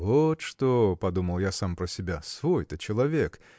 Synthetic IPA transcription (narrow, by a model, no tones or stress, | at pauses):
vot̪ʂt̪opɐd̪uməlˠjasampɾəsʲɪbʲasvojt̪ət͡ɕɪlˠɐvʲek